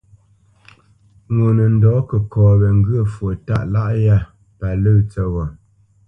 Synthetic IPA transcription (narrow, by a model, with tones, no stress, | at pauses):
ŋo˨nə˨n̩˦dɔ˨˦kə˨kɔː˨bɛ˨ŋ˦ɡə˦˨fwə˨ta̰˦˨ʔla˦ʔja˦˨ | pa˨lə˦˨t͡sə˨wɔ˨